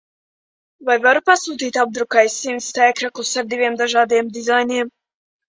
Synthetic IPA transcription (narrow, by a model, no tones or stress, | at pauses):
vajvaɾupasuːt̪iːt̪ab̚d̪ɾukajsːimt̪st̪æːkɾaklˠusaɾd̪ivʲiɛmd̪aʒɑːd̪eɛmd̪izajniɛm